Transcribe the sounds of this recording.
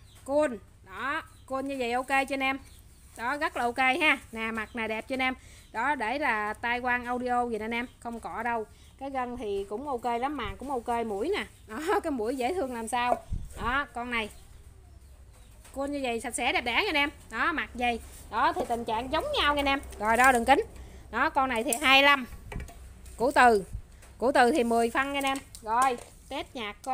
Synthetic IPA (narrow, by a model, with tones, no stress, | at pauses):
ku˧ən | ɗɔ˨˦ | ku˧ənɲɨ˧zə˨˩jʔo˧wke˧jt͡ɕɔ˧nʔɛː˧m | ɗɔ˨˦ɣə˦˥t̚laː˨˩ʔo˧wke˧jɦaː˧naː˨˩ma˨˩t̚naː˨˩jɗɛ˨˩p̚t͡ɕɔ˧nɛː˧m | ɗɔ˨˦ɗe˧˩laː˨˩t̪aː˧jkwaː˧nʔə˧wɗi˧ʔo˧zi˨˩naː˨˩nʔɛ˧mxə˧wŋ͡mkɔ˧˩ɗə˧w | kaː˨˦jɣə˧nt̪ʰi˨˩kʊ̰˧˥wŋ͡mʔo˧ke˧jla˨˦mːaː˨˩kʊ̰˧˥ŋ͡mʔo˧wke˧jmṵ˧˩˥əjnaː˨˩ | ɗɔ˨˦kaː˨˦jmṵ˧˩əjzḛ˧˥˦t̪ʰɨ˧əŋlaː˨˩msaː˧wɗɔ˨˦kɔ˧nna˨˩j | ku˧nɲɨ˧və̰˧˨jsa˨˩t̚sɛ̰˧˥ɗɛ˨˩p̚ɗaː˧˥˦ŋa˧˩nɛ˧mɗɔ˨˦ma˨˩t̚zə˨˩jɗɔ˨˦t̪ʰi˨˩t̪ï˨˩ŋ̟t͡ɕa̰ː˧˨ŋzə˨˦wŋ͡mɲa˧wŋaː˧˩nʔɛ˧mɣɔ˨˩jɗɔ˧˦ɗɨ˨˩ŋkï˨˦ŋ̟ | ɗɔ˨˦kɔ˧nːa˨˩jt̪ʰi˨˩ɦaː˧jla˧m | kṵ˧˩ət̪ɨ˨˩ | kṵ˧˩ət̪ɨ˨˩t̪ʰi˨˩mɨ˨˩əjfa˧nŋa˨˧nʔɛ˧mɣɔ˨˩j | t̪e˦˥t̚ɲaː˨˩k̚ː